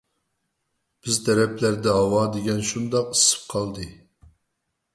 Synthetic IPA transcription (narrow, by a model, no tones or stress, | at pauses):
b̥ɪzt̪ʰɛɾɛpʰlæɾd̪ɛɦɑwɑd̪eɡʲɛnʃund̪ɑqi̥sɨ̥p̚qʰɑlˠd̪ɨ